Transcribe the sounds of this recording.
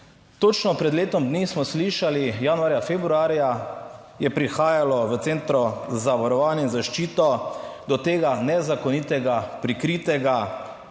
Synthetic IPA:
t̪ot͡ʃnɔpɾɛd̪leːt̪ɔmd̪nismɔsliʃalijanuaːɾjafebɾuaːɾja | jɛpɾixaːjalɔʋət̪seːnt̪ɾɔzaʋaɾɔʋaːnjainzaʃt͡ʃiːt̪ɔd̪ɔt̪eːɡanɛzakɔniːt̪ɛɡapɾikɾit̪ɛɡa

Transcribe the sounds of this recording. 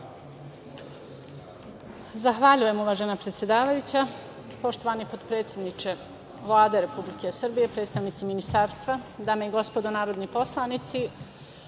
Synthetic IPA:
zaxʋaʎuje̞muʋaːʒenapɾet̪sʲje̞d̪aːʋajut͡ɕa | po̞ʃt̪o̞ʋanipod̪pɾe̞ːt̪sʲje̞d̪nit͡ʃe̞ | ʋlˠaːd̪e̞ɾe̞publike̞sr̩bije̞pɾe̞ːt̪st̪aʋnit̪siminist̪aːɾst̪ʋad̪ameiɡo̞spo̞d̪onaːɾo̞d̪nipo̞slˠanit̪si

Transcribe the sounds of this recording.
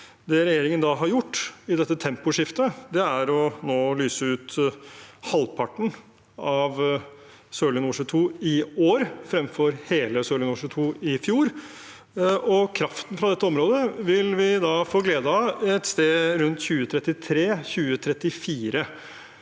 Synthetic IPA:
d̪ɛɾɛjeːɾɪŋənd̪ɑɦɑɾjʊʈːɪd̪ɛt̪ːət̪ʰɛmpʊʂɪft̪əd̪ɛæɾɔnoːlyːsəʉːt̪ | hɑlpʰɑʈn̩ | ɑʋ | søːlɪnuːʂət̪ʰuːɪoːɾfɾɛmfɔɾheːləsøːlɪnuːʂət̪ʰuːɪfjuːɾ | ɔkʰɾɑft̪n̩fɾɑd̪ɛt̪ːəɔmɾoːd̪əʋɪlʋɪd̪ɑːfoːɡleːd̪ɑɛt̪st̪eːɾʉnt̪çʉːət̪ʰɾɛt̪ːɪt̪ʰɾeːçʉːət̪ʰɾɛt̪ːɪfiːɾə

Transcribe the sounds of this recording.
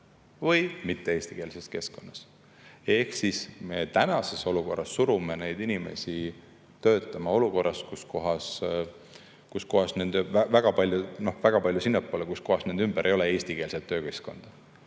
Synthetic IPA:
vɤjmit̪ːe̞e̞ːsʲt̪ike̞ːlse̞ske̞sko̞nːɑs | e̞hksisme̞t̪ænɑse̞so̞luko̞rːɑsːuɾumene̞jd̪inime̞̰si | t̪ø̞ːt̪ːˑɑmɑo̞luko̞rːɑskusko̞ɦɑs | kusko̞ɦɑsne̞nd̪vævæɡ̥ɑpɑlʲjuno̞hvæɡ̥ɑpɑlʲjusinːepˑːoːlekusko̞hɑsne̞nd̪ymb̥eɾʔe̞jo̞lee̞ːsʲt̪ike̞ːlset̪ːø̞ːke̞sko̞̰nd̪̥ɑ

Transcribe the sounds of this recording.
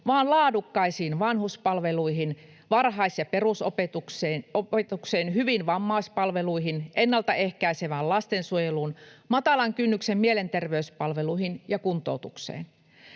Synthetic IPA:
ʋɑːnlɑːdukːɑisiːnʋɑnhuspɑlʋeluiɦin | ʋɑrɦɑisjɑperusopet̪ukseopet̪ukseːnhyʋinʋɑmːɑispɑlʋeluihinʔenːɑlt̪ɑehkæiseʋæːllɑst̪ensuojeluːnmɑt̪ɑlɑŋkynːyksemmielent̪erʋeyspɑlʋeluihinjɑkunt̪ˑo̰ut̪uksḛːn

